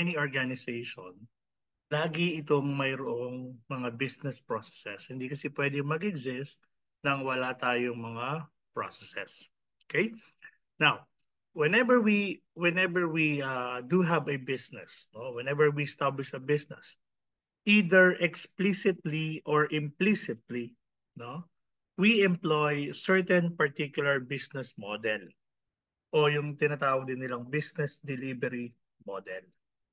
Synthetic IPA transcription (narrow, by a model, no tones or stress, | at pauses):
ɛniɔɹɡanɪsejʃon | laːɡɪɪt̪o̞ŋmɐjɾoʔoŋmɐŋabɪsnɛspɹosɛ̥sɛshɪnd̪ikɐsɛpwɛd̪ɪmɐɡɛɡzɪst̪̚ | nɐŋwɐlat̪aːjoŋmɐŋa | pɹo̰sɛsɛ̰s | ʔokɛj | naw | wɛnɛbɛɹwi | wɛnɛbɛɹwiɐd̪uɦɐvɐbɪsnɛ̰snowɛnɛvɛɹwiɛst̪ablɪʃɐbɪsnɛ̰s | ʔiːd̪ɛɹʔɛksplisɪt̪liʔoɹʔɪ̃mplisɪt̪̚li | no | wiɛ̃mplojsɛɹt̪ɛ̃npɐɹt̪ikjʊlɐɹbisnɛsmod̪ɛl | ʔojʊŋt̪ɪnat̪aːwɐɡ̚d̪ɪnːɪlaŋbisnɛsd̪ɛlibɛɾi | mod̪ɛ̰l